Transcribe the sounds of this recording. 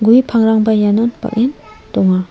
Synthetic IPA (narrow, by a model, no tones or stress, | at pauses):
ɡujpʰaŋɾaŋbajanɔnpa̰kin | t̪ɔŋa